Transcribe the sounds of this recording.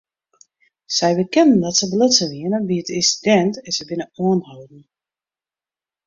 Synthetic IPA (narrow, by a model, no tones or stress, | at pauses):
sɛjbəkɛnn̩dɔtsəblɪtsəʋiənəbiətɪsdɛntɛnsɛbɪnəɔənhowdn̩